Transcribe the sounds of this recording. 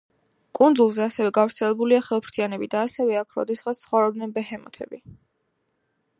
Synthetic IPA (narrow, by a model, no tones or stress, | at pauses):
kʼund̪zulˠzɛasɛvɛɡavɾt̪sʰɛlɛbuliaχɛlˠpʰɾt̪ʰianɛbid̪aːsɛvɛakʰɾɔ̰d̪ɛsχassχɔvɾɔb̪nɛnbɛhɛmɔt̪ʰɛbi